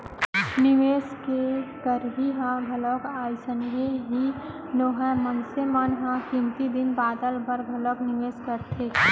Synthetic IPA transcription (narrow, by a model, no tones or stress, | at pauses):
nɪmeːskekəɾɦiɦãɡʱəlɔkaːjsənɦeɦi | noːɦɛ̃mənsemənɦãkɪ̃nt̪id̪ɪnbaːd̪əlbəɾɡʱələknɪmeːskəɾt̪ʰeː